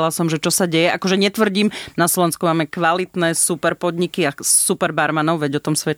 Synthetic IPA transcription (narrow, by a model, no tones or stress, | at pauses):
lasɔmʒɛt͡ʃɔsaɟɛjɛʔakɔʒɛɲɛt̪ʋr̩ɟiːmnaslɔʋɛnskumaːmɛkʋalit̪nɛːsupɛɾpɔd̪ɲikiasupɛɾbaɾmanɔʊʋɛɟɔt̪ɔmsʋɛ